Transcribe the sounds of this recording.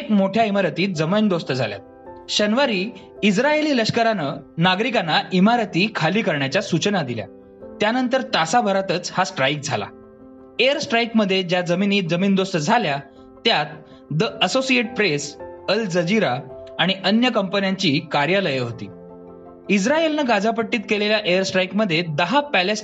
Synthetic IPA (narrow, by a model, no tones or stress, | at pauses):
ekmoʈʰjaimaɾət̪iːt̪̚d͡zəmind̪ost̪əd͡zʱa̰lja̰t̪̚ | ɕənʋəɾiː | isɾaeliːləɕkəɾanənaɡɾikanːaimaɾət̪iːkʰaliːkəɾɳjat͡ɕjasut͡ɕnad̪ilja̰ | t̪janənt̪əɾt̪asabʱəɾat̪ət͡shasʈɾajk̚d͡zʱa̰la̰ | ejəɾsʈɾajkməd̪ʱːjed͡ʑjad͡zəminiːd͡zəmiːnd̪ost̪əd͡zʱalja | t̪jat̪̚ | d̪əəsosieʈ̚pɾesəld͡zəd͡ʑiɾaːɽ̃iʔənjəkəmpənjaɲt͡ɕiːkaɾjaləjəɦot̪ḭː | id͡zɾaelnəɡad͡zʱap̬əʈːiːt̪̚keleljaʔejəɾsʈɾajkməd̪ʱːjed̪əɦapæles